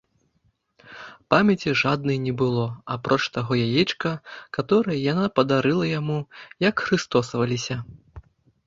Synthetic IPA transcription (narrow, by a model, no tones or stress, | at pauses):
pamʲjɛt͡sʲiʐad̪nɨjnʲɛbɨlˠɔapɾɔt͡ʂt̪aɣɔjajit͡ʂkɐkat̪ɔɾɐjɐjanapɐd̪aɾɨlˠɐjamujɐkxɾɨst̪ɔsɐvɐlʲisʲɐ